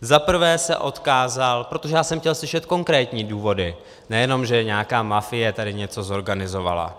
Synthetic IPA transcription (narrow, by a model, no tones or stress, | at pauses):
zapr̩vɛːsɛ̰ʔo̞t̪kaːzalpɾot̪o̞ʒɛjaːsɛmxcɛlslɪʃɛt̪ko̞ŋkɾɛːt̪ɲiːduːvo̞dɪ | nɛjɛno̞mʒɛɲaːkaːmafɪjɛt̪adɪɲɛt͡so̞zo̞ɾɡanɪzo̞va̰la̰